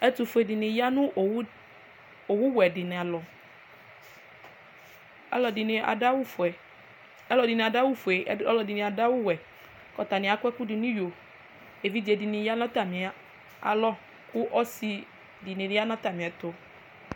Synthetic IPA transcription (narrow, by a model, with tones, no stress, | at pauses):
ɛ˦t̪u˨fu˨e˨di˨nĩ˨ja˦nũ˦˨˦ | o˨wu˦wɛ˨di˨nɛ̃˨a˨lɔ˨ | ɛ̰˦lɔ˨di˨nẽ˨a̰˨a˦wu˦fɛ˨ | ɛ˦lɔ˨di˨nẽ˨da˦wu˦fo˨e˨˦lɔ˨di˨nĩ˨a˨da˦wu˦wɛ˨ | kɔ˨t̪a˨nĩ˨a˨kʷɛ˦ku˦di˨nũ˦jo˨ | e˨vi˦d͡ʒe˨di˨nĩ˨ja˦nã˦t̪a˨mĩ˨a˨ | a̰˨lɔ˦ | ku˦ʔɔ˦si˨ | di˨nĩ˨di˦a˦nã˦t̪a˨mĩ˨a˨t̪o˨